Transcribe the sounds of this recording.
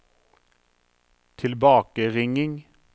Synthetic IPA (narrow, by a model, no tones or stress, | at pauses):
t̪ʰɪlbɑːkəʁɪŋɪŋ